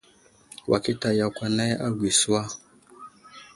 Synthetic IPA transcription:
wʔa̰˨ki˦ta˨ja˨kʷa˦na˦ja˦ɡʷi˨su˦wa˦

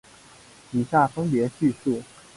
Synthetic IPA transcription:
i˨˩ɕja˥˩fə˥ŋpjɛ˧˥ɕy˥˧ʂu˥˩

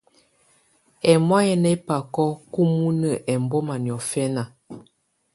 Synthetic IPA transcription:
ɛ˨mwa˦jɛ˦nɛ˦pa˨kɔ˦ku˦mu˦nə˨ʔɛ˨m˨bɔ˦ma˨njɔ˨fɛ˦na˨

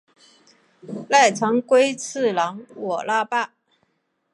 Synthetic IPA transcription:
la˥˩ɪt͡sʰɑ˧˥ŋkwe˥ɪt͡s̩ʰ˥˩lɑ˧˥ŋwɔ˨˩la˥˧pa˥˩

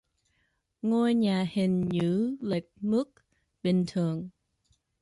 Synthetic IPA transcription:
ŋo˧jɲaː˨˩hi˨˩ŋ̟ɲɨ̰˧˥le˨˩k̚mɨ˦˥k̚ | ɓï˨˩ŋ̟t̪ʰɨ˨˩əŋ

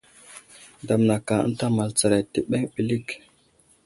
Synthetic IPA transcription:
da˨mna˨ka˨ə̰˦n˦ta˦ma˨lt͡sa˨ɾa˨ti˨ɓe˦ŋɓi˨li˦k

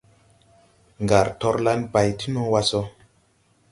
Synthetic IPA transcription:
ŋɡa˨ɾtɔ˧ɾla˦npa˨jti˦nɔ̃˦wa˧sɔ˦

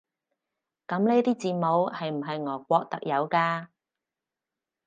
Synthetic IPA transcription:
kɐ˨˥mle˨˥jt̪iː˥t͡siː˨mo˨˥whɐ˨jm̩˨˩ɦɐ˨jŋɔː˨˩kʷɔː˧k̚t̪ɐ̰˨k̚jɐ˨˧wkaː˧

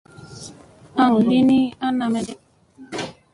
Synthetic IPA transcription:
a˦ŋ̩˨li˦ni˦a˦na˨me˦de˦

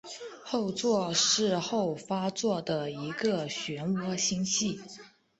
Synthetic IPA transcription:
xo˥˧ʊt͡swɔ˥˧ʂɻ̩˥˧xo˥˩ʊfa˥t͡swɔ˥˩d̪ə˩i˧˥ɡə˧ɕɥɛ˧˥nwɔ˥ɕi˥ŋɕi˥˩

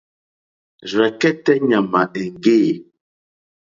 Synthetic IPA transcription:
zwɛ˨kɛ˦tɛ˦ɲa˨ma˨ʔe˨ŋ˨ɡe˦˨

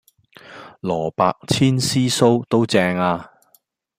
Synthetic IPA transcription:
lɔː˨˩paː˧k̚t͡sʰiː˥nsiː˥so˥wt̪o˥wt͡sɛː˧˥ŋaː˧

